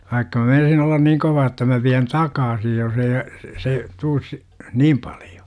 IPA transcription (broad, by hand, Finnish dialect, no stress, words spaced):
ʋɑikːɑ mæ meinɑsin olːɑn niːŋ koʋɑː tːɑ mæ ʋiæn tɑkɑːsi jos ei se tuːs si̥ niːm pɑlj̊o̥